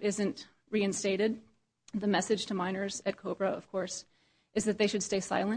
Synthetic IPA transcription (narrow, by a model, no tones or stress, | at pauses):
ɪzɨ̃nt | ɹiɨ̃nsteɪɾɪd̪̚ | ðɨmɛsɨd̥ʒ̥tʰɨmãɪ̃nə˞zɨt̚kʰoʊbɹɨʌ̰v̥kʰɔɹs | ʔɨzðɨt̪̚ðeɪʃɨd̥steɪsa̰ɪlˠə̃